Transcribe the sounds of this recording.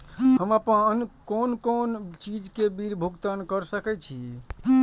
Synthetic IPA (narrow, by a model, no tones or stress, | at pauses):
ɦəməpənənkonkont͡ʃid͡ʒkebiɾbʱuɡt̪ənkəɾsəkɛt͡ʃʰi